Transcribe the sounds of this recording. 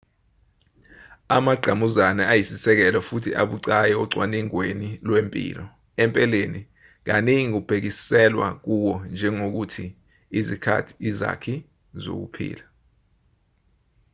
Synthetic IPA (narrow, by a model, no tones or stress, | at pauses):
amaɡ͡ǀʱamuzanaajisisɛk̬ɛlɔfutʰiʔa̰ɓuǀajɛɔǀwaniŋwenilwempʼḭːlɔ | ɛmpʼɛleni | ŋ̬aniŋik̬ub̥ʱek̬isɛlwa̰k̬uwɔnd͡ʒʱɛŋok̬utʰi | izikʰa̰tʰi̥ːza̰kʰi | zo̰k̬ṵpʰḭːla